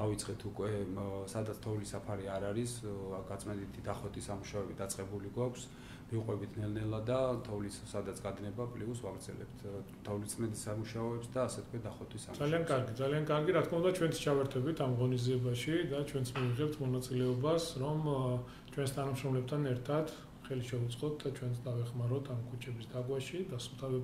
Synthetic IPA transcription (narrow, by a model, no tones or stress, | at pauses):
avit̪sʼqʼɛt̪ʰukʼwɛsad̪at̪sʰt̪ʰɔvlisapʰaɾiaɾaɾisɡat̪sʼmɛnd̪it̪ʰid̪aχɔt̪ʼisamuʃaɔɛbid̪at̪sʼqʼɛbuliɡwakʰs | miqʼwɛbit̪ʰnɛlnɛlˠad̪at̪ʰɔvli | sad̪at̪sʰɡad̪nɛbapʼliusvaɡɾd̪zɛ̰lɛ̰pt̪ʰ | t̪ʰɔvlit̪sʼmɛnt̪ʼisamuʃaɔɛpsd̪aːsɛt̪kʰwɛd̪aχɔt̪ʰʼisa̰zaliankʼaɾɡid̪zaliankʼaɾɡiɾat̪ʰkʰmaund̪at͡ʃʰwɛnt̪st͡ʃʰavɛɾt̪ʰɛbit̪ʰamʁɔniziɛbaʃid̪at͡ʃʰwɛnt̪smiviʁɛp̚t̪ʰmɔnat̪sʼilɛɔbasɾɔm | t͡ʃʰwɛnst̪ʰanamʃɾɔmlɛp̚t̪ʰanɛɾt̪ʰat̪ | χɛliʃɛut̪sʼqʼɔt̪̚ʰd̪at͡ʃʰwɛnt̪sʰd̪avɛχmaɾɔt̪ʰamkʰut͡ʃʰɛbisd̪aɡwaʃid̪ast̪ʰabɛ